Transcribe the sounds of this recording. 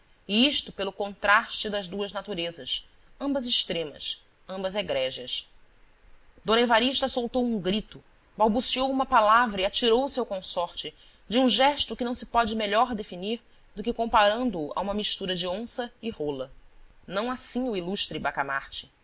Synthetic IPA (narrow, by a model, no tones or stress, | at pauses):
iiʃt̪ʊpelʊkõnt̪ɾaʃt͡ʃɪd̪ɐzd̪uɐznat̪uɾezɐs | ɐ̃mbɐzɪʃt̪ɾẽmɐ̰s | ɐ̃mbɐzeɡɾɛʒɐs | d̪õnevaɾiʃt̪ɐsowt̪owũŋɡɾit̪ʊ | bawbusiowumɐpalavɾɐiat͡ʃiɾowsewkõsɔɾt͡ʃɪ | d͡ʒũʒɛʃt̪ʊkɪnɐ̃w̃sɪ̥pɔd͡ʒɪmeʎɔɾd̪efiniɾ | d̪ʊkɪkõmpaɾɐ̃nd̪ʊːʔa̰ũmɐmiʃt̪uɾɐd͡ʒɪõsɐɪholɐ | nɐ̃w̃asĩɲʊiluʃt̪ɾɪbakamaɾt͡ʃɪ̥